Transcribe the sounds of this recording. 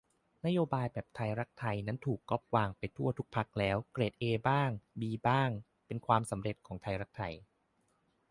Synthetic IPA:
na˦˥joː˧baː˧jbɛː˨˩p̚t̪ʰa˧jɾa˦˥k̚t̪ʰa˧jna˦˥nt̪ʰuː˨˩kːɔ˦˥p̚waː˧ŋpa˧jt̪ʰu˥˩ɐt̪ʰu˦˥k̚pʰa˦˥k̚lɛː˦˥wkɾeː˨˩t̪̚ʔeː˧baː˥˩ŋbiː˧baː˥˩ŋ | pe˧nkʰwaː˧msa˩˦mɾe˨˩t̪̚kʰɔː˩˦ŋt̪ʰa˧jɾa˦˥k̚t̪ʰa˧j

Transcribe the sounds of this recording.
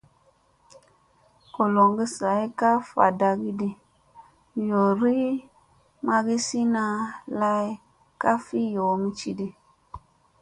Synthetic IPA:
ko˨lo˨ŋɡi˦sa˨˦i˦ka˦fa̰˨da˧ɡi˦di˦ | jo˨ɾi˦ | ma˧ɡi˦si˦na˧la˦i˦ | ka˦fi˦jo˨˦mi˦t͡ʃi˦di˦

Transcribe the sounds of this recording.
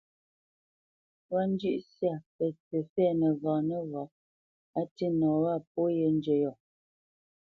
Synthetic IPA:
wa˦n̩˦d͡ʒʉ˦ʔsja˦˨pɛ˨t͡sɛ˨fɛ˦˨nə˨vɔː˨nə˦vɔ˨ | a˦ti˦nɔ˨wa˦˨p̚o˦je˨n˦d͡ʒe˨jɔ˨

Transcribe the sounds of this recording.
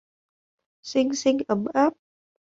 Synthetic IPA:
si˧ŋsi˧ŋʔə˨˩˦mʔaː˦˥p̚

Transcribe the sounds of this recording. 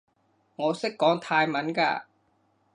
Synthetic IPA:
ŋɔ˨˦˥se˦˥kːɔː˨˧˥ŋt̪ʰaː˧jma˨˥˦nka̰˧˩

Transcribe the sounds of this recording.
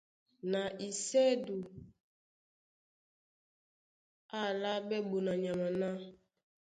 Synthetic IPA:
na˨ʔi˨sɛ˦du˨ | a˦˨la˦bɛ˦bo˨na˨ɲa˨ma˨na˦

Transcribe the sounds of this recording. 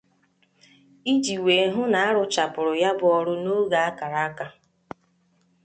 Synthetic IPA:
i˦d͡ʒi˨we˨ɦʊ˦na˨a˦ɾʊ˨t͡ʃa˨pʊ˨ɾʊ˨ja˦bʊ˦ɔ˦ɾʊ˦no˦ɡa˨a˦ka˨ɾa˦ka˦

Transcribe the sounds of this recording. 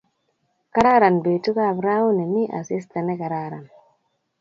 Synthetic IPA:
ka˦ɾa˦ɾa˨nbe˨tu˦ka˦˨bɾa˦u˦ne˨ni˦ʔa̰˨si˦sta˨nɛ˦ka˨ɾa˦ɾa˨n

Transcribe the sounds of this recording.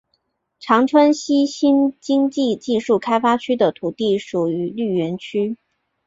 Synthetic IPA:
ʈ͡ʂʰɑ˧˥ŋʈ͡ʂʰwə˥nɕi˥ɕi˥nt͡ɕi˥ŋt͡ɕi˥˧t͡ɕi˥˧ʂu˥˩kʰa˥ɪfa˥t͡ɕʰy˥d̪ə˨t̪ʰu˨˩t̪i˥˩ʂu˨˩y˧˥ly˥˩ɥɛ˧˥nt͡ɕʰy˥

